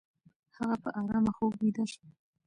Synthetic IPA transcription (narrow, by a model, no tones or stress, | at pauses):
haɣapəʔaɾɑmaxoɡwid̪aʃ